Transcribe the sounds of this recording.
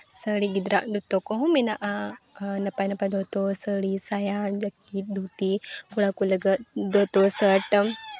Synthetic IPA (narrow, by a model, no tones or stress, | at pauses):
səɽiɡid̪ɾaʔd̪ut̪okoɦũmenaʔanɐpajnɐpad̪ʱot̪osəɽisajad͡ʒɐkːiːt̪̚d̪ʱut̪ikuɽakuləɡət̪d̪ot̪osəʈ